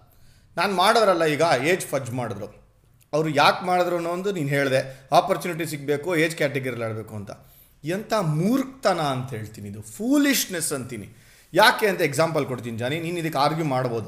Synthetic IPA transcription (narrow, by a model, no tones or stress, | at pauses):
naːnmaːɽɐɾɐlːɐiːɡɐeːd͡ʒpʰɐd͡ʒmaːɽd̪ɾu | ɐʋɾujaːkmaːɽd̪ɾuɐnːoːnd̪uniːnɦe̞ːɭd̪e̞aːpɐɾt͡ʃuːniʈ̬is̬ik̚be̞ːkueːd͡ʒkʲaːʈ̬eɡɐɾileːɽbe̞ːkuɐnt̪ɐ̰ | iɐnt̪ʰamuːɾk̚t̪ɐnɐːnt̪ɐɦe̞ːɭt̪iːniːd̪upʰuːliʂnesɐnt̪inḭ | jaːkeːɐnt̪ɐekzaːmpɐlkoɽt̪̬inid͡ʒaːniniːnid̪ɐkːeaːɾɡjumaːɽbo̞ːd̪u